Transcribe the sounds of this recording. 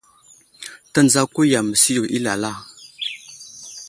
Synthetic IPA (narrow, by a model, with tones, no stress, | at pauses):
ta˨nd͡za˦ku˦ja˨mə˨si˦jo˨ʔi˦la̰˨la˦˨